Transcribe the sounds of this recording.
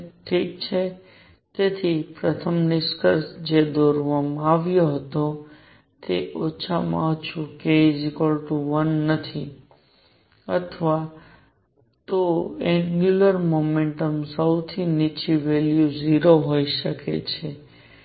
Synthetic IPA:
ʈʰik̚t͡ʃʰe | t̪et̪ʰipɾət̪ʰəmnɪskəɾsd͡ʒed̪oɾʋamãaʋjoɦət̪o | t̪eʔot͡ʃʰamã̰t͡ʃʰũkezikolʈuʋənːət̪ʰi | ət̪ʰʋa | t̪oɛ̃ɡjuləɾmomẽɳʈəmsəwt̪ʰinit͡ʃiʋeljuziɾoɦoiʃəkḛt͡ʃʰe

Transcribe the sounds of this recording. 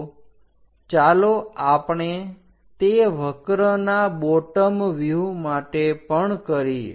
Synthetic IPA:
t͡ʃaloapɳe | t̪eʋʱəkɾənaboʈəmʋjumaʈepəɳkəɾi

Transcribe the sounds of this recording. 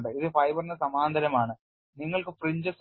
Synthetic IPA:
ɳɖɨiðɨfɐjbɐrnːɐsɐmaːnd̪ʱɐɾɐmaːɳɨ | niŋːɐɭkɨfriɲd͡ʑɐs

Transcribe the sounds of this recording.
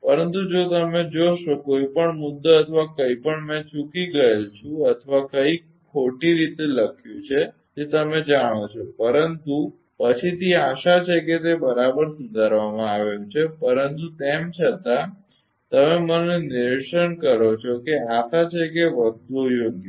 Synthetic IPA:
pəɾənt̪ud͡ʒot̪əmed͡ʒoʃokoipəɳmud̪ːəət̪ʰʋakəipəɳmɛ̃t͡ʃukiɡəelt͡ʃʰũət̪ʰʋakəi | kʰːoʈiɾit̪eləkʰjũt͡ʃʰe | d͡ʒet̪əmed͡ʒaɽ̃ot͡ʃʰopəɾənt̪u | pət͡ʃʰit̪ʰiaʃat͡ʃʰeket̪ebəɾabəɾsud̪ʱaɾʋamãaʋeũt͡ʃʰepəɾənt̪ut̪emt͡ʃʰət̪a | t̪əmemənenɪɾʃəɳkəɾot͡ʃʰokeaʃat͡ʃʰekeʋəd̪ʱojoɡju

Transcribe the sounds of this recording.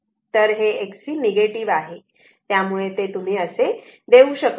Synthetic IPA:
t̪əɾɦeːksiːneɡeʈiʋaɦe | t̪jamuɭet̪et̪um̤iːəsed̪eũɕək

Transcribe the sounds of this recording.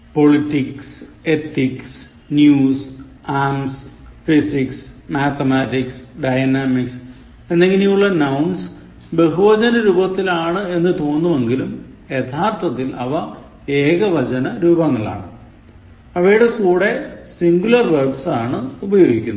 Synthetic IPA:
po̞ɭiʈːikse̞t̪iks | njuːs | aːmsfisiksmaːt̪ɐmaːtiksɖɐjnaːmiks | e̞nːe̞ŋɡinejuɭːɐnɐwns | beɦuʋɐd͡ʑɐnɐɾuːbɐt̪ːilaːɳɨe̞nːɨt̪o̞ːnːume̞ŋɡilumje̞t̪ʰaːrt̪ʰɐt̪ːilɐʋɐ | eːɣɐʋɐd͡ʑɐnɐɾuːbɐŋːɐɭa̰ːɳɨ | ɐʋɐjiɽekuːɽe̞siŋɡulɐrʋɐrʈsaːɳɨubɐjoːɡikʲːunː

